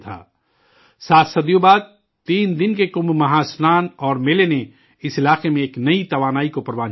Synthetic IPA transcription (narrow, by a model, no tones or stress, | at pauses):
t̪ʰa̰ː | saːt̪ʰsɐd̪joːbaːd̪̚ | t̪iːnd̪ɪnkekʊ̃mbmɐɦaːsnaːnɔːɾmeːlene | ɪsɪlaːqemẽeːknɐit̪ɐʋaːnaːikopɐɾʋaːn